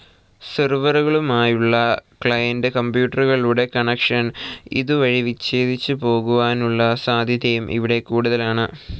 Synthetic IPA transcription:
sɐrʋɐrɣɐɭumaːjuɭːɐkɭɐjɐndɨkɐmbjuːʈːɐruɣɐɭluːɽe̞kɐɳekʂɐnḭðuʋɐɻiʋit͡ɕːeːd̪ʱit͡ɕːɨpo̞ːɣuʋaːnuɭːɐsaːd̪ʱjɐðjɐjumʔḭʋiɽe̞kuːɽuðɐlaːɳɨ

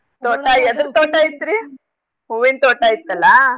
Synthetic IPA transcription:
t̪oːʈaiɛd̪ɾt̪oːʈajit̪ːiɾi | uʋint̪oːʈaːjit̪ːɐlːɐ

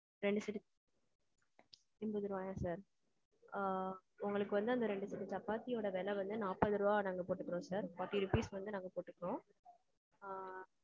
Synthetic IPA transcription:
ɾɛɳɖɯsɪʈː | ɪmbɯðɯɾɯʋaːjãːsaːɾ | ʊŋɡɐɭɯkːɯʋɐnd̪ɯɐnd̪ɐɾɛɳɖɯsɪʈːɯt͡ʃɐpːaːt̪ːɪjoːɽɐʋeːlɛʋɐnd̪ɯnaːpːɐðɯɾɯʋaːnaːŋɡɐpoːʈːɯkːɯɾõːsaːɾfaːʈːiɾɪpiːsʋɐnd̪ɯnaːŋɡɐpoːʈːɯkːɾõː

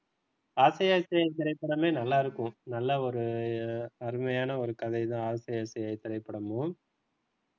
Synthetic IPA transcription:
aːsɐjaːsɐjaːt̪ɪɾɐɪpːɐɽɐmeːnɐlːaːɪɾɯkːʊ̃nɐlːɐɔɾɯ | ɐɾɯmɐjaːnɐɔɾɯkɐðɐɪt̪ãːaːsɐjaːsɐjaːjt̪ːɪɾɐɪpːɐɽɐmo

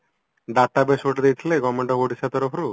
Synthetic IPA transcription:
ɖat̪abesoʈed̪ejt̪ʰileɡɔmeɳʈɔboɖisat̪ɔɾopʰɾu

